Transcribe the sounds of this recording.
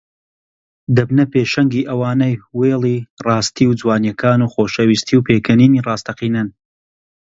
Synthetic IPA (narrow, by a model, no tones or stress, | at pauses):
d̪ɐbnɐpeːʃɐŋɡiːʔɐwaːnɐjweːlˠiːrɑːst̪ʰiːwd͡zwaːnjɐkʰaːnuːxoːʃɐwist̪ʰiːwpʰeːkʰɐniːniːrɑːst̪ɐqiːnɨn